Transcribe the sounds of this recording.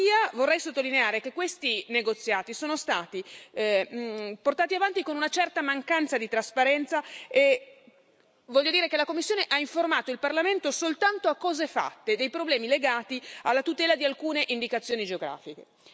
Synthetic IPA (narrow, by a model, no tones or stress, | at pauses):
iːavorːɛjsot̪ːolineaːɾekekːwest̪ineɡot̪sːjaːt̪isoːnost̪aːt̪i | port̪aːt̪iavant̪ikonunat͡ʃɛrt̪amaŋkant̪sad̪it̪ɾaspaɾɛnt̪sae | vɔʎːod̪iːɾekelakomːisːjoːneʔaiɱformaːt̪oilparlament̪osolt̪ant̪oakːɔːzefa̰t̪ːed̪ejpɾoblɛːmileɡaːt̪ialːat̪ut̪ɛːlad̪ialkuːneʔind̪ikat̪sːjoːnid͡ʒeoɡɾa̰ːfik̟e